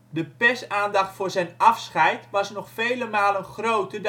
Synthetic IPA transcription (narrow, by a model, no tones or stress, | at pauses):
dəpɛsaːndɑχtfʊːɹzɛjnɑfsχɛjtʋɑsnɔχfejləmaːlənχrowtəd